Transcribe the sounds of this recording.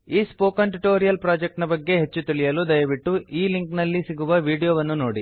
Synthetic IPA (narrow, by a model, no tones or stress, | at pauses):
iːspoːkɐɳʈuʈoːɾijɐlpɾaːd͡ʒek̚ʈnɐbɐɡːe̞ɦe̞t͡ʃːut̪iɭijɐlud̪ɐjɐʋiʈːuʔiːliŋknɐlːisiɡuʋɐʋiːɽijoːʋɐnːunoːɽi